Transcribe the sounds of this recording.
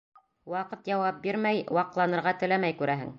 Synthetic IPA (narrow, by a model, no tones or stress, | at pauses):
wɑqɤt̪jɑwɑp̚biɾmæjwɑqlˠɑnɤ̆ɾʁɑt̪ɘ̆læmæjkʉɾæɦɘ̰ŋ